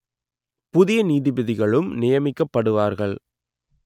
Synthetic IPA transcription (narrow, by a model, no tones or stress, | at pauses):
pʊðɪjɐniːðɪbɪðɪɣɐɭɯmnɪjɐmɪkːɐpːɐɽɯʋaːɾɣɐɭ